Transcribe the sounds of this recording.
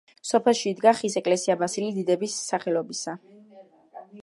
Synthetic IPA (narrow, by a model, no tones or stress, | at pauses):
sɔpʰɛlˠʃiːd̪ɡaχisɛkʼlɛsiabasilid̪id̪ɛbisːaχɛlɔbisa